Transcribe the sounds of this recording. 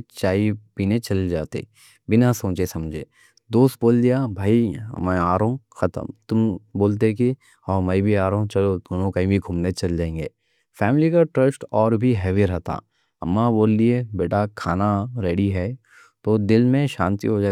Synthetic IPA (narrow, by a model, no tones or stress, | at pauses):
t͡ʃaːipiːnet͡ʃɐld͡ʒaːt̪ḛ | bɪnasõːt͡ʃesɐ̃md͡ʒʱḛː | d̪oːst̪̚boːld̪ijabʱaːimɛ̃aːɾõxɐt̪ə̰mt̪ʊmboːlt̪̬eki | aːmɐibʱiaːɾõt͡ʃɐlod̪oːnõkɐĩbʱiɡʱuːmnet͡ʃɐld͡ʒãːẽːŋɡeː | fɛːmɪlikaʈɾəsʈɔːɾbʱiɦɛʋiɾɐɦt̪a̰ | ɐ̰mːaboːld̪iebeːʈakʰaːnaɾeːɽiɦɛ | t̪oːd̪ɪlmẽʃãːnt̪ḭɦod͡ʒaː